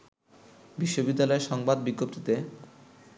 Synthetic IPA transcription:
biʃːobid̪ːalɔeɾʃɔŋbad̪biɡːop̚t̪it̪e

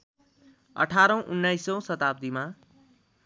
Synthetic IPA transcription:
ʌ̰ʈʰaɾʌ̃w̃ʔunːajsʌ̃w̃sʌt̪ab̚d̪ima

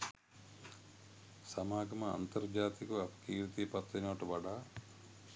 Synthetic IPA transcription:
sɐmaːɡɐmɐɐ̰nt̪ɐɾd͡ʒaːt̪ikuɐpkiːɾt̪ipɐt̪ːɐnoːʈuʋɐɖaː

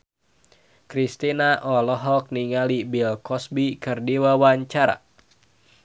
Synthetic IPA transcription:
kɾist̪inaʔɔlɔɦɔk̚niŋalibilkɔsbikɨrdiwawaɲt͡ʃaɾa̰

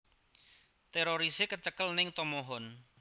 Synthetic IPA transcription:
t̪eɾoɾisekət͡ʃəkəlnɪŋt̪ɔmoɦɔn

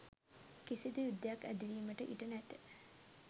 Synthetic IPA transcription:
kisid̪ujud̪ːejakːæ̰d̪iliːməʈəʔiʈənæt̪ə̥

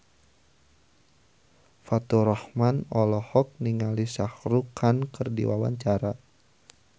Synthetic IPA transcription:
fat̪uɾɔhmanɔlɔhɔk̚niŋalisahɾukʰankɨrdḭwa̰wa̰ɲt͡ʃaɾa

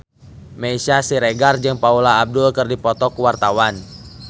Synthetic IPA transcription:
mɛisasiɾɛɡard͡ʒɨŋpaulaːb̚dulkɨrdipɔt̪ɔkuwart̪awan

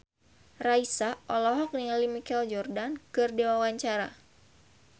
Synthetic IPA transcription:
raisaʔɔlɔɦɔk̚niŋalimikɛld͡ʒɔrdankɨrdiwawaɲt͡ʃaɾa̰

